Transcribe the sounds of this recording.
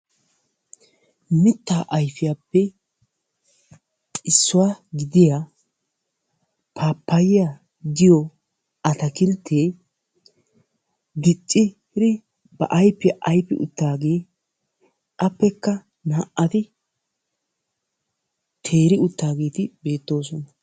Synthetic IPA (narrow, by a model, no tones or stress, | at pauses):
mɪt̪ːaːʔɐjfɪjaːpːɛ | t͡ʃʼɪsːʊwaɡɪd̪ɪja | pʰaːpːɐjɪja | d̪ɪjɔ | ʔɐt̪ɐkɪlt̪ʰːeː | ɡɪt͡ʃʼːɪ | ɾɪ | b̥ɐ̰ʔɐjpːɪʔɐjpːɪ̰ʔʊ̰t̪ːaːɡe̞ː | ɐpːɛkːɐ | naːʔɐt̪ɪ | t̪ʰe̞ːɾɪʊt̪ːaːɡe̞ːt̪ɪbe̞ːt̪ːo̞ːsɔnɐ